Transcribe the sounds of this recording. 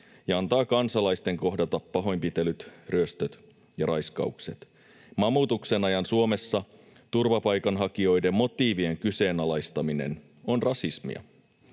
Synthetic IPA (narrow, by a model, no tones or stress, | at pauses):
jɑɑnt̪ɑːkɑnsɑlɑjst̪e̞ŋko̞ɦdɑt̪ɑpːɑɦo̞jmpit̪elyt̪ryøst̪øt̪ | jɑɾɑjskɑ̰ukset̪ | mɑmuːt̪uksenɑjɑnsuo̞me̞sːɑ | t̪urʋɑpɑjkɑnɦɑk̟io̞jde̞mːo̞t̪iːʋie̞ŋkyse̞ːnɑlɑjst̪ɑmine̞̰n | o̞nrɑsismḭɑ̰